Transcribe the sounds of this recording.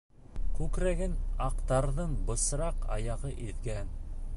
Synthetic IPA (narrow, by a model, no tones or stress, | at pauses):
kʉkɾæɡɘnɑqt̪ɑɾðɤɴbɤ̆sɾɑqɑ̰jɑʁɤʔiðɡæn